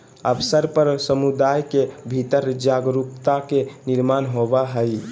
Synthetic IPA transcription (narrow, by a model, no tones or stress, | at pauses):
əbsəɾpəɾsəmud̪ajkebʱit̪əɾd͡ʒaɡɾupt̪akeniɾmanɦobaɦəj